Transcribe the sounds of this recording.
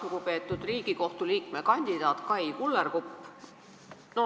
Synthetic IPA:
ukupe̞ːt̪ːˑud̪̥riːɡ̥iko̞ht̪uliːkmekɑnʲd̪̥id̪ɑːt̪kɑjkulːerkupː | no

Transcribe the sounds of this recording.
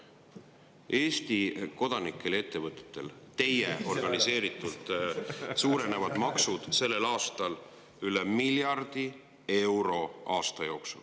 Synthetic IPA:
ʔe̞ːst̪iko̞d̪̥ɑnikˑːe̞le̞t̪ːe̞vɤt̪ːˑe̥t̪ːˑe̞̰lt̪e̞jeʔo̞rɡ̥ɑnise̞ːɾit̪ːˑult̪ˑsuːɾe̞ne̞vɑd̪̥mɑksud̪̥se̞lːe̞lɑːst̪ɑl | ylemiljɑrd̪̥i | e̞wɾo̞ʔɑːst̪ɑjo̞ːksṵl

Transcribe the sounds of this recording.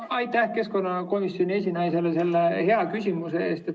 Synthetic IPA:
ɑjt̪ːˑæhke̞sko̞nːɑko̞misːjo̞nʲie̞s̬ʲinɑjse̞lese̞lːehe̞ɑkysʲimuse̞eːst̪et̪

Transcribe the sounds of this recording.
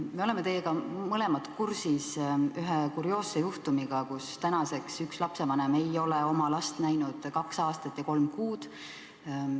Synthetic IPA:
me̞o̞le̞me̞t̪e̞jːe̞ɡ̥ɑmɤlemɑt̪kursisyɦekuɾjo̞ːsːejuht̪umiɡ̥ɑkust̪ænɑse̞ksykslɑpse̞vɑneme̞jo̞leo̞mɑlɑst̪næjnud̪̥kɑksɑːst̪ɑt̪ːˑjɑko̞lmkuːd̪̥

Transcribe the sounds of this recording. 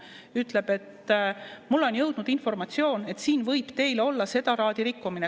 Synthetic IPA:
yt̪ːˑle̞b̥e̞t̪ | mulːo̞njɤwd̪̥nud̪info̞rmɑt̪sio̞ːne̞t̪siːnvɤjb̥t̪e̞jleo̞lːɑse̞d̪̥ɑɾɑːd̪̥iɾikːumine

